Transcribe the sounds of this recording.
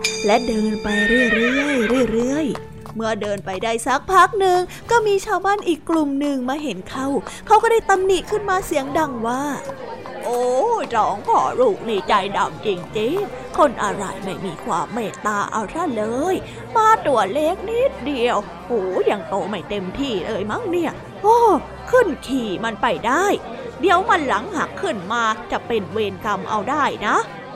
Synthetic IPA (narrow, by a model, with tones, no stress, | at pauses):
lɛ˦˥dɤː˧npa˧jɾɯ˥˩ə˨jɾɯ˥˩ə˩əjɾɯː˥˩˨jɾɯ˥˩əj | mɯ˥˩ɐdɤː˧npa˧jdaː˥˩jsa˦˥k̚pʰa˦˥k̚nɯ˧ŋ | kɔː˥˩miː˧t͡ɕʰaː˧˩wbaː˥˨nʔiː˨˩kːlu˨˩mnɯ˨˧ŋmaː˧ɦe˨˦nkʰa˥˩wkʰa˦˥wkɔː˥˩daː˥˩jt̪a˧mni˨˩kʰɯ˥˩nmaː˧si˨˩˦əŋda˧ŋwaː˥˩ | ʔoː˧˩ɾɔː˨˦ŋkʰɔ̰ː˨˦ɾuː˨˩k̚niː˧˩t͡ɕa˧jda̰˨˩mt͡ɕi˧ŋt͡ɕi˧˥ŋ | kʰo˧nʔa̰˧ɾa̰˧˩jma˥˩jmiː˧kʰwaː˧mːɛː˧˩t̪aː˧ʔa̰˧wt̪ʰa˥˩lɤː˧j | maː˧t̪u˨˩ɐle˦˥k̚ni˦˥t̪̚di˧əw | hoː˨˩˦ja˨˩ŋt̪oː˧ma˥˩jt̪e˧mt̪ʰiː˧˥˩lɤː˧jma˦˥˨ŋni˧˩ɐ | ʔoː˧˩ | kʰɯ˥˩nkʰiː˨˩ma˧npa˧˩jdaː˥˩j | di˧˦əwma˧nla˨˩˦ŋha˨˦kʰːɯ˥˩nmaː˧t͡ɕa˨˩pe˧nweː˧nka˧mʔa˧wdaː˥˩jna˦˥